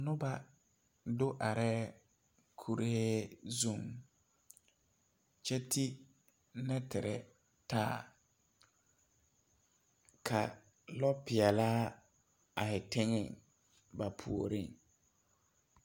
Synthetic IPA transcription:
nʊ˦ba˨ | dʊ˦ʔa˨ɾɛː˦ | kʰu˨ɾhe˦zu˦˨ŋ | t͡ʃɛ˦tʰi˦ | nɛ˦tɪ˨ɾɛ̰˨ | taː˦ | kʰa˨ | lɔ˦pɪ˨ɛ˨laː˦ | a˨hɪ˨tɪ˦ŋɪ˦˨ŋ | ba˨pʰṵ˨o˨ɾi˦˨ŋ

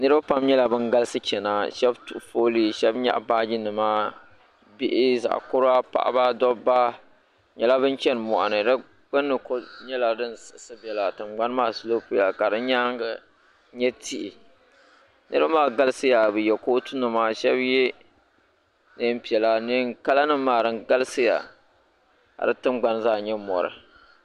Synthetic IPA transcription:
nɨ˦ɾɨ˦ba˦pa˦mɲɛ˦la˨bɨ˦ŋɡa˦lɨ˦sɨ˦t͡ʃɛ˨na˨ʃɛ˦btu˨foː˦li˦˨ʃɛ˦bɲa̰˦ʔbaː˦d͡ʒi˦nɨ˨maː˦ | bɪ˦ʔɪ˦za̰˨ʔkʊ˦ɾa˦pa̰˦ʔa̰˦ba˦dɔ˦ba˦ | ɲɛ˨la˦bɨ˦nt͡ʃɛ˦n˨mɔ˨ʔa̰˨nɨ˨dɨ˦ | k͡pɨ˦nːɨ˨ko˦ɲɛ˦la˨dɨ˦n˨sɨ˨ʔsɨ˦bɛ˨la˨tɨ˨mɡ͡ba˦n˦maː˦˨slo˦po˦la˨ka˨dɨ˦nɲa˦ŋɡa˨ | ɲɛ˦tʰi˦ʔɪ˨ | nʔɨ˦ɾɨ˦ba˦maː˦˨ɡa˦lɨ˦sɨ˦ja˨bɨ˨jɛ˨koː˦tu˦nɨ˨maː˨ʃɛ˦bjɛ˦ | nɨ˦m̩˦pi˨ɛ˨la˨ni˦ka˦la˦nɨ˦mːaː˨ɾɨ˦ŋɡa˦lɨ˦sɨ˦ja̰˨ | a̰˨dɨ˦tɨ˦mɡ͡ba˦nzaː˦˨ɲɛ˦mɔ̰˨ɾɨ̰˨

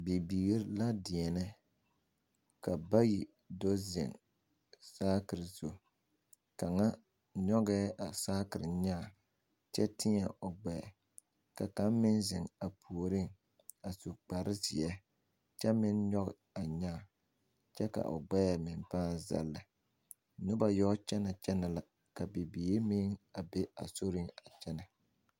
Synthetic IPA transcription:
bi˨biː˨ɣɾla˦dɪ˨ɛ˨nɪ˦ | ka˨ba˦ji˨ | do˦zɪ̰˨ŋ | saː˦kɪ˨ɾzo˨ | ka˨ŋa˦ | ɲɔ˦ɡɛː˦ʔa˨saː˦kɪ˨ɾɪ˨ɲa˦˨ | t͡ʃɛ˦tʰɪ˦ɲɛ˨ʔʊ˨ɡ͡bɛ˨ɛ̰˨ | ka˨ka˦mmɪ˦nzɪ˨ŋa˨pʰu˨o˨ɾɪ˦ŋ | a˨su˨k͡pa˨ɾɪ˦zɪ˨ɛ˦ | t͡ʃɛ˦mɪ˦nɲɔ˦ɣɪ̰˨ | a˨ɲa˦˨ | t͡ʃɛ˦ka̰˨ʔʊ̰˨ɡ͡bɛ˦ja˨mɪ˨mpaː˦nza̰˦lːa˨˦ | nʊ˦ba˦jɔ˦t͡ʃɛ˦na˨t͡ʃɛ˦na˨la˦ | ka˨bi˨biː˨e˦mɪ˦ŋa˨be˦a̰˨so˦ɾɪ˦ŋa˨t͡ʃɛ˦na˨

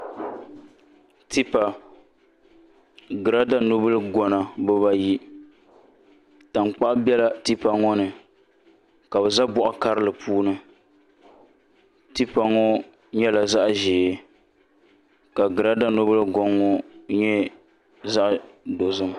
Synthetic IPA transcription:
ti˦pa˨ | ɡɨ˨ɾa˦da˦no˦bɨ˦lɨ˦ɡɔ˨na˨bɨ˦ba˦ji˦ | ta˨mk͡pa˦ʔbɛ˦la˦ti˦pa˨ŋɔ˦nɨ˨ | ka˨bɛ˨za˦bʊ˨ʔɔ˨ka˦ɾɨ˦lɨ˨pʰuː˦nɨ˦ | ti˦pa˦ŋɔ˦ | ɲɛ˦la˨za˦ʔʒeː˨˦ | ka˨ɡɨ˨ɾa˦da˦no˦bɨ˦lɡɔ˦ŋːɔ˦ɲɛ˦ | za˦ʔdo˨zɨ˦m

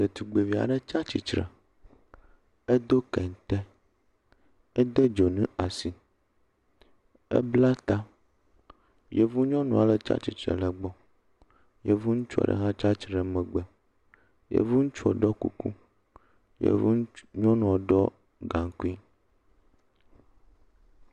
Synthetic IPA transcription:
d̪e˨t̪u˨ɡ͡be˨vi˨a̰˨ɖɛ˦t͡ʃa˦t͡ɕi˨t͡ʃɾḛ˨ | e˦d̪o˦kɛ˨n˨t̪ɛ˦ | ɛ˦d̪e˦d͡ʒo˨nũ˦a˨si˨ | ḛ˦bla˦t̪a˦ | je˨vu˦ɲɔ̃˦nũ˨a˨lə˦t͡ʃa̰˦t͡ɕi˨t͡ʃɾḛ˨lə˨ɡ͡bɔ˦ | je˨vu˦ŋũ˦t͡ʃu˦a̰˨ɖə̰˨ɦã˦t͡ʃa˦t͡ʃɾɛ˨mɛ̃˨ɡ͡bɛ˨ | jḛ˨vu˦ŋũ˦t͡ʃu˦ɔ˨ɖɔ˦kṵ˦ku˦ | jḛ˨vu˦ɲɔ̃˦nũ˨ɔ˨ɖɔ˦ | ɡã˨ŋ˨˦ku˦i˦

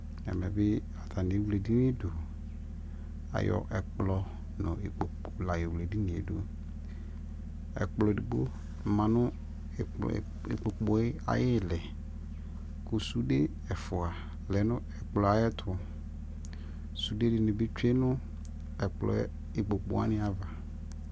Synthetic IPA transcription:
ɛ̰˨mɛ̃˨bɪ˦ | a˨tʰa˨nɪ̃˨˦wle˨di˦n˦ɪ˦dʊ˨ | a̰˨jɔ̰˨ʔɛ˨k͡plɔ˨ | nʊ̰̃˨e˨k͡po˨ | o˨la˨ɪ˨wu˨le˨di˦nɪ̃˨ḛ˨du˦ | ɛ̰˨k͡plɔ˨di˨ɡ͡bo̰˦ | m̩˨mã˨nʊ̃˦˨ | ḛ˨k͡po˨k͡pɔ˨˦ɪ˦a̰˨jɪ˦˨lɛ˨ | ku˨su˦de˦ | ɛ˨fʊ˨a˨ | lɛ˨nʊ̃˦ɛ˨k͡plɔ˨a˨˦ɛ˦tʰʊ˨ | su˨de˦dɪ˨nʊ̃˨bi˦t͡ʃᶣe˦nʊ̃˦ | ɛ˨k͡plɔ̰˨˦ | e˨k͡po˨k͡pʊ̰˨˦a̰˦nɪ̃˦a˨va˨

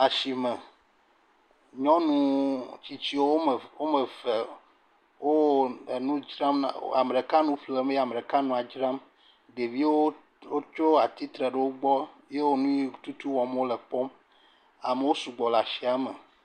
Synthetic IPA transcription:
a˨ʃi˨me˨ | ɲɔ̃˦nũ˨˦t͡ɕi˦t͡ɕi˦wo˦wo˦˨wo˦me˨fe˨ | wo˦˨nũ˦d͡ʒɾã˦mna̰˦a˨m˨ɖe˨ka˦nũ˦fle˦˨me˦ja˨me˨ɖe˨ka˦nũ˨a˨d͡ʒɾa˦m | ɖe˨vi˦wo˦ | wo˦t͡ʃo˦a˨t̪i˦t̪ɾe˨ɖe˨wo˦ɡ͡bɔ˦ | je˦wo˦nũ˦ji˦t̪u˦t̪u˦wɔ̃˨m˦wo˦le˨k͡pɔ˦m | a˨me˨wo˦su˨ɡ͡bɔ˨la˨ʃi˨˦a˨me˨

